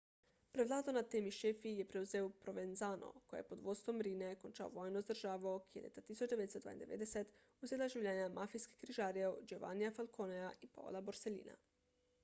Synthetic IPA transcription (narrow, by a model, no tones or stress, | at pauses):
pɾeʋlˠaːd̪onat̪emiʃefije̞pɾeuzeopɾo̞ʋenzano̞̰kojḛjepod̪ʋo̞d̪st̪ʋo̞mɾinekont͡ʃa̰o̰ʋo̞ːjnozd̪r̩ʒaːʋokielḛt̪at̪isut͡ʃd̪eed̪esd̪va̰j̰nd̪eʋed̪eset̪ | uzelaʒiʋʎʲeːɲamafijske̥kɾiʒaːɾijeod͡ʒoʋa̰nijafalˠkʰoneaʔipa̰o̰laboɾselḭːna̰